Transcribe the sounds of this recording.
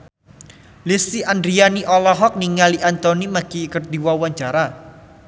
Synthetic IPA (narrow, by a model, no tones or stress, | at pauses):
lisiʔandɾianiʔɔlɔɦɔk̚niŋaliʔant̪ɔnimaɡ̥ikərd̪iwawaɲt͡ʃaɾa